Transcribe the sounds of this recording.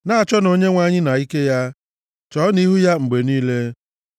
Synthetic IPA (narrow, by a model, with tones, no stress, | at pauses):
na˦a˨t͡ʃɔ˦no˨ɲe˦ŋʷa˦ɲɪ˦na˨i˦ke˦ja˦ | t͡ʃɔ˨˦ni˦ɦu˦ja˦ŋ͡m̩˨ɡ͡be˨niː˦le˦